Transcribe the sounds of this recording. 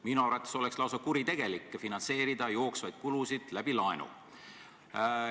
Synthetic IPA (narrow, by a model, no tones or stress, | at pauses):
minuɑɾvɑt̪ːˑeso̞lekslɑws̬ɑkuɾit̪e̞ɡ̥e̞likːˑefinɑnse̞ːɾid̪ɑjo̞ːksvɑjd̪̥kulusid̪̥læb̥ilɑenṵ